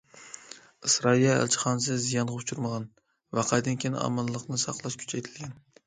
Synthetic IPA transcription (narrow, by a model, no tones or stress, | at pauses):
ɨsɾɑijɑæ̰lt͡ʃʰɪ̥χɑnɨs̬ɨzijɑnʁɑʊt͡ʃʰuɾməʁɑn | væqʰɑjd̪ɪnkʲʰeɑ̰mɨnlˠəqnɨsɑqlˠɑʃkʲʰy̥t͡ʃʰɛjt̪ʰɪlɡʲɛn